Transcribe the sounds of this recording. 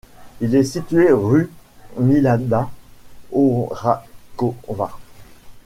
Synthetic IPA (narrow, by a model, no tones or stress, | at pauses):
ilɛsit̪ɥeʁymilãd̪a | oʁakova